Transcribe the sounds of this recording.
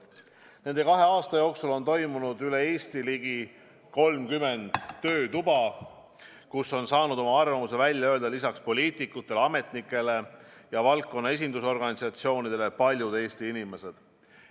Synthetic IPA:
ne̞nd̪e̞kɑɦe̞ɑːst̪ɑjo̞ːksulo̞nt̪o̞jmunud̪yle̞e̞ːst̪iliɡ̥i | ko̞lmkyme̞nd̪̥ːø̞ːt̪ubɑ | kusːo̞nsɑːnud̪̥o̞mɑɑrvɑmus̬e̞vælʲjɑø̞ːld̪ɑlisɑkspo̞lʲiːt̪ˑikːut̪ːˑe̞leɑme̞t̪nikːˑe̞le̞jɑvɑlkːo̞nːɑe̞s̬ʲind̪uso̞rɡɑnisɑt̪sio̞ːnid̪̥e̞le̞pɑlʲjud̪e̞ːst̪iinime̞se̞d̪̥

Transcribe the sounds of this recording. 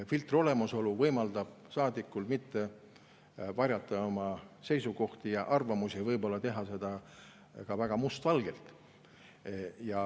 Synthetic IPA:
filt̪ˑro̞le̞muso̞luvɤjmɑld̪̥ɑb̥̚ | sɑːd̪ikːˑulmit̪ːe̞ | vɑrʲjɑt̪ːˑɑomɑse̞jsuko̞ht̪ijɑʔɑrvɑmusivɤjbo̞lːɑt̪e̞ɦɑse̞d̪̥ɑ | kɑvæɡ̥ɑmust̪vɑlɡ̥e̞lt̪ | jɑ

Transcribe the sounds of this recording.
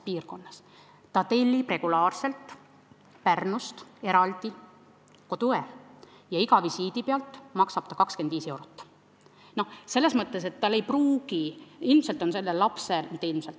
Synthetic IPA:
piːrko̞nːɑs | t̪ɑt̪e̞lʲːipre̞ɡ̥ulɑːrse̞lt̪ː | pærnust̪e̞ɾɑld̪̥i | ko̞t̪ue | jɑiɡɑvisiːd̪ipeɑlt̪ːˑmɑksɑb̥t̪ɑkɑkske̞nd̪̥viːse̞wɾot̪ːˑ | no̞hse̞lːe̞smɤt̪ːˑe̞s̬e̞t̪ːɑlːejpruːɡiilmselt̪ˑonse̞lːelɑpse̞lt̪ilmselt̪ˑː

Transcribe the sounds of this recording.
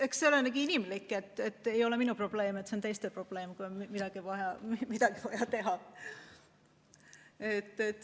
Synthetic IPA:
eksselenæɡiinimlikːˑet̪ːˑet̪ːe̞jo̞leminupro̞b̥le̞ːmet̪ːseont̪e̞jst̪epro̞b̥le̞ːmkunmid̪̥ɑɡ̥ivɑjɑmimid̪̥ɑɡivɑjɑt̪e̞ɦɑ | et̪ːet̪ː

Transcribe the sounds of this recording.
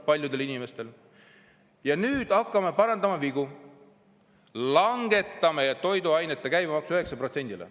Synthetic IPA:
pɑlʲjud̪̥e̞linime̞st̪e̞l | jɑnyːd̪̥ɑkːˑɑmepɑɾɑnd̪̥ɑmɑviɡ̥u | lɑŋɡ̥e̞t̪ːˑɑmejɑt̪o̞jd̪uɑjnet̪ːˑekæjbɑmɑksuyɦe̞ksɑpro̞t̪se̞nd̪ilḛ

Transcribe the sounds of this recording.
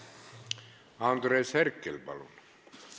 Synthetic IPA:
ɑnd̪ɾesherkːelpɑ̰lṵn

